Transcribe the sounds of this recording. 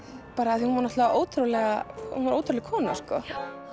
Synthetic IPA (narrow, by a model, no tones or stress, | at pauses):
paːɾaːθihunvaɾnɔht̪lavaʔoːwt̪ɾulɛɣahunvaɾo̰ːwt̪ɾuɾlɪɣkʰɔːna̰skɔ